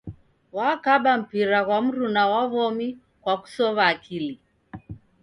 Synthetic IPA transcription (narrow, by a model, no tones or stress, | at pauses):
wakaɓam̩piɾaɣwam̩ɾunawaβɔmi | kwaku̥sɔβaːkʰili